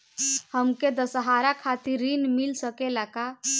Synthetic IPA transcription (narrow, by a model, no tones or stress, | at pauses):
həmked̪əsəɦaɾakʰat̪iɾːinmilsəkelaka